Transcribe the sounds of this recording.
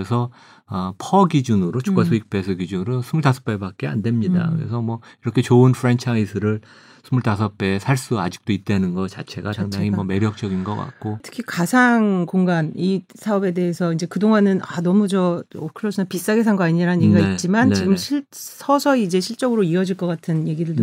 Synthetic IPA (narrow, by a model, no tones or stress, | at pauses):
esʰʌ | ʌpʰʌɡid͡ʑunɯɾot͡ɕu̥k͈asʰoik̚p͈e̞sʰɯɡid͡ʑunɯɾosʰumuɭtʰasʰʌp͈e̞bak̚k͈e̞a̰nde̞mɲida̰kɯɾḛsʰʌmwʌiɾʌkʰe̞t͡ɕoɯnfʰɾe̞nt͡ɕʰaisʰɯɾɯɭ | sʰumuɭtʰas̬ʰʌp͈e̞sʰaɭs͈ua̰d͡ʑi̥k̚t͈oit̚t͈enɯnɡʌt͡ɕat͡ɕʰe̞ɡataŋdaŋimʌme̞ɾjʌk̚t͡ɕ͈ʌɡinɡʌk͈a̰k̚k͈otʰɯ̥kʰikasʰaŋkoŋɡanisʰaʌbe̞de̞ɦesʰʌind͡ʑe̞kɯdoŋanɯnanʌmud͡ʑʌokʰɯɭːʌsʰinapis͈aɡesʰaŋɡaɲiɾanɯnɲeɡiɡait̚t͡ɕ͈imant͡ɕiɡɯmɕʰiɭsʰʌsʰʌid͡ʑe̞ɕʰiɭt͡ɕ͈ʌɡɯɾoiʌd͡ʑiɭk͈ʌk͈atʰɯnje̞ɡiɾɯɭd